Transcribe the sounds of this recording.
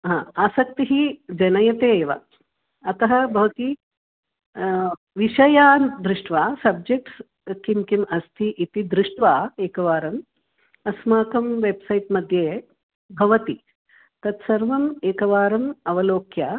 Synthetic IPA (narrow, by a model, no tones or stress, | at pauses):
ɦãːaːsɐk̚t̪iɦid͡ʒɐnɐjɐt̪eːʋa̰ | ɐt̪ɐɦɐbʱɐʋɐt̪i | ʋiʃɐjaːd̪ɾuʂʈʋaːsɐb̚d͡ʒek̚ʈs | kimkimɐst̪ʰiʔit̪id̪ɾuʂʈʋaːeːkɐʋaːɾɐm | ɐsmaːkɐmʋebsɐjʈmɐd̪ʱjeː | bʱɐʋɐt̪i | t̪ɐt̪sɐɾʋɐmeːkɐʋaːɾɐmɐʋɐloːkjaː